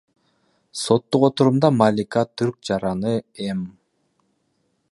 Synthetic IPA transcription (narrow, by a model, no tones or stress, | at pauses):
so̞t̪ːuqo̞t̪uɾumd̪ɑmalʲikat̪ʰyɾk̚d͡ʒɑɾɑnɯem